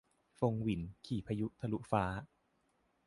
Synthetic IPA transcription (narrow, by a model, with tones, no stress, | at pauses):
fo˧ŋwi˨˩˦nkʰiː˨˩pʰa˧ju˦˥ʔt̪ʰa˧lu˦˥ʔfaː˦˥